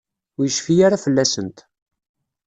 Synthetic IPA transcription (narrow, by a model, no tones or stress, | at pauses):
jəʃfijaɾafəlːæsənt̪